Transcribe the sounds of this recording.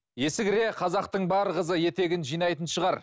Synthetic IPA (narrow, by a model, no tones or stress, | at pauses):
je̞sɪkɾe̞qʰɑzɑq̚t̪əɴbɑɾʁəzəje̞t̪e̞ɡʲɪnʒijnɑjt̪ənʃəʁɑɾ